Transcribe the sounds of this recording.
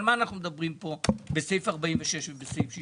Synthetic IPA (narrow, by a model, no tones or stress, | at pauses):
lmaːnaχnumed̪abʁimpo̞besejfaʁbaiɱveʃeʃvebesejfʃi